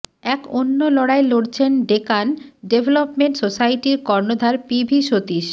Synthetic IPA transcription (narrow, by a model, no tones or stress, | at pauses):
ɛkonːolɔɽaeloɽt͡ɕʰenɖekanɖebʱelopmeɳʈsosajʈiɾkɔɾnod̪ʱaɾpibʱiʃot̪iʃ